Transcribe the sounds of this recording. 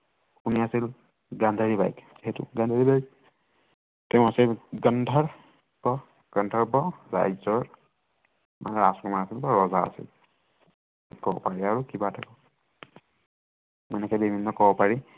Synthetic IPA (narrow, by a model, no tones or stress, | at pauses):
kuniasil | ɡand̪ʱaɹiba̰jkz̥iɦɛtʊ̰ɡandʱaɹibajk̚ | tɛʊ̃asilɡəndʱaɹ | b̥ɔ | ɡ̥ʌndʱaɹbɔza̰jzɔɹ | ma̰nɛɹasɔmaasilbɔɹɔzaa̰sḭl | ikɔbɔ̰paɹiaɹukibatʰakɔ | ɛnɛkɛbibʱinːɔkɔbɔpaɹi